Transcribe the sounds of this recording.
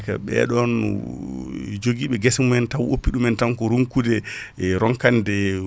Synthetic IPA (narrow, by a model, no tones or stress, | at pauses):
ka̰ɓɛ̰ɗɔn | d͡ʒoɡiɓɛɡɛsmuɛntawʔopːiɗumɛntaŋkɔɾuŋkudɛ | ɾɔŋkandɛ